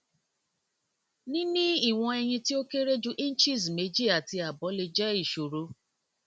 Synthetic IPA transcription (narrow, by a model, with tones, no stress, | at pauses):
nĩ˦nĩ˦i˦˨w̃ɔ̃˧ɛ˧j̃ĩ˧ti˦o˦ke˦ɾe˦d͡ʒu˦ʔĩ˦n̩˦t͡ʃi˦˨sme˨˦d͡ʒi˦a˨ti˧a˨bɔ˨˦le˧d͡ʒɛ˦i˦˨ʃo˨ɾo˨˦